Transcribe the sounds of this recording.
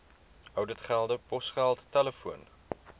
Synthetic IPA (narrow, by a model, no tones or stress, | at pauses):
œwdətχælˠdəpɔsχælˠttæləfuən